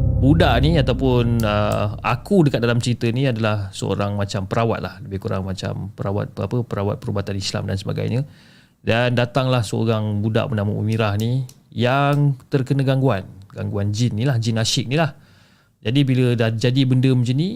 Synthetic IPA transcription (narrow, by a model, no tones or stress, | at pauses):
budaʔniat̪awpʊnə̰a̰kudəkat̪̚dalamt͡ʃəɾit̪ənĩadalahsəo̰ɾaŋmat͡ʃampəɾawa̰t̪̚la̰hləbɪhkuɾa̰ŋmat͡ʃa̰mpəɾawa̰t̪̚pəapəpəɾawa̰t̪̚pəɾubat̪anisla̰mda̰nsəba̰ɡa̰jɲə | dandat̪aŋlahsəo̰ɾaŋbuda̰ʔmənaməṵmiɾahnijaŋt̪ərkənəɡaŋɡuanɡa̰ŋɡuand͡ʒinːilahd͡ʒinasɪk̚nilah | d͡ʒadibilədad͡ʒadibəndəməd͡ʒəni